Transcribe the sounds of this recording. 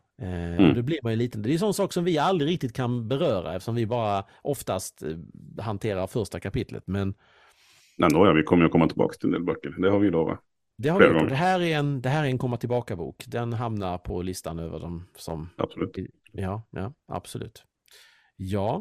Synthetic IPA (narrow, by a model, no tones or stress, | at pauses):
d̪ɛbliːɾmanjɵliːt̪ənd̪ɛːjʏsɔnːsɑːksɔmvɪald̪ɾɪɾɪk̚t̪ɪt̪̚kʰanbɛɾœːɾa̰ɛft̪əʂɔmvɪbɑːɾa | ʔɔft̪ast̪hant̪ʰeːɾaɾfœʂʈakʰapɪt̪ʰlə̰t̪mɛn | nɛnɔːjɑvɪkʰɔmːəjɾɔkʰɔmːat̪ʰɪlbɑ̰ːkst̪ʰɪlɛnd̪ḛːlbœkːəɾd̪ɛhaɾvɪd̪oːɾa̰ | d̪ɛhaɾɾaɡɔŋd̪ɛɦæːɾæɾɛnd̪ɛɦæːɾɛɾɛnkʰɔmːəʈʰɪlbɑːkabṵːkd̪ɛnɦamnaɾpʰɔlɪst̪anøːvə̰ɖɔmsɔ̰mʔa̰b̥sɔlʉːt̪jɑːjɑ̰ːʔa̰b̥sɔlʉ̟ːt̪ | jɑː